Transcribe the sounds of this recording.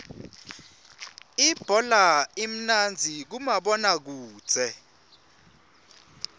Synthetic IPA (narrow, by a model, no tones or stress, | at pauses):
ib̥ʱɔlaim̩nand͡zʱik̬umaɓɔnak̬u̥ːz̥ʱɛ